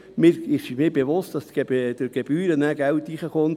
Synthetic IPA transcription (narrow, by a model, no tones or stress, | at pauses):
mɪːɾɪʃmɪːɾbeʋʊstd̥ɑstd̥əɾɡ̥eb̥yːɾənæːɡ̥ælt̪iːχəχont